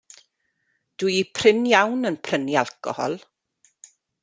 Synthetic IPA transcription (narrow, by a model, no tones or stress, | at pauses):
d̥uipʰrɪnjawnənpʰrənjalˠkɔ̰hɔ̰lˠ